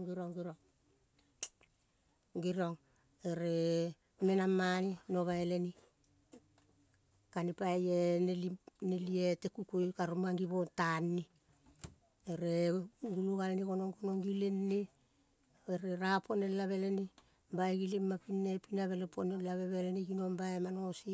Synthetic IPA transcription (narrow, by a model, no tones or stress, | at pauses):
ŋɡiɾoŋɡiɾoŋ | ɡiɾoŋ | eɾe | menamːanino̞βaele̞ni | kanipajenelinelietekukujkaɾomaŋɡiβontanːi | eɾeɡuluɡalenikonoŋɡonoŋɡilenːi | eɾeɾapʰo̞nelaβe̞leni | baeɡilimapinːe̞pinaβe̞leponelaβe̞βeleniɡinombaemano̞si